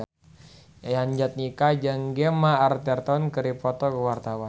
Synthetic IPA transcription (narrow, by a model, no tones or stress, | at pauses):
ajaɲd͡ʒat̪̚nikad͡ʒaŋɡɛmaːrt̪ɛrt̪ɔnkəɾipɔt̪ɔkəwart̪awan